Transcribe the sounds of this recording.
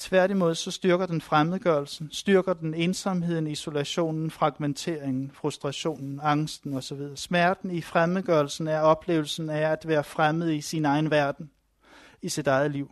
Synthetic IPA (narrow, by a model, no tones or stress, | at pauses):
t͡sʰʋæɐ̰ɾ̥imo̝ð̰ˠsɒ̽sd̥yɐɡ̥ɐd̥enfʁamð̩ˠɡ̥ɶɐl̩sn̩sd̥yɐɡ̥ɐd̥ene̝ːnsɑmɦe̝ð̞̰ˠn̩iso̝læɕo̝̰ːnn̩fʁɑ̈ɡ̥ment͡sʰe̝ːɐ̰eŋn̩fʁusd̥ʁɑ̈ɕo̝̰ːnn̩ɑ̈ŋsd̥n̩ɒ̽sɒ̽ʋiðˠɐːsmæɐd̥n̩ifʁamð̩ˠɡ̥ɶɐl̩sn̩æɐɒ̽b̥le̝ːʊl̩sn̩ææd̥ʋæːɐfʁamð̞̩ˠisinɑ̈ɪn̩ʋæɐd̥n̩ | isid̥ɑ̈ɪð̞̩ˠliʊ̰